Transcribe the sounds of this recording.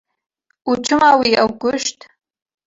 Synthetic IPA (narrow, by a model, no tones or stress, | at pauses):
uʈ͡ʂʰɨmawiʔawkʷʊʃtʰʼ